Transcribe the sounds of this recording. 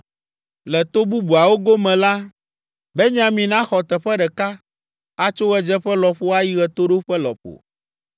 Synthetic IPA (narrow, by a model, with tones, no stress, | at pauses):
lɛ˨t̪o˦bu˦bu˨a˨wo˦ɡo˦mɛ̃˨la˦ | bɛ˦ɲ˦ã˨mĩ˨nã˦xɔ˨t̪ɛ˨ɸɛ˦ɖɛ˨ka˦ | a˨t͡ʃo˦ɣɛ˨d͡ʒɛ˦ɸɛ˦lɔ˨ɸo˦a˦ji˦ɣɛ˨t̪o˦ɖo˦ɸɛ˦lɔ̰˨ɸo̰˨